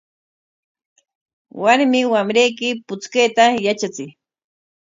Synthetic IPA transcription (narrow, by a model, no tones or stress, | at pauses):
waɾmɪwamɾejkɪpʊt͡skejt̪ajat͡ʃat͡sɪ